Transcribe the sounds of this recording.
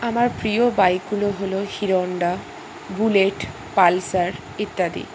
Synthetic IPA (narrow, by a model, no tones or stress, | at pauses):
amaɾpɾiobajɡuloɦolohiɾoɳɖa | buleʈ | palsaɾ | it̪ːad̪ḭ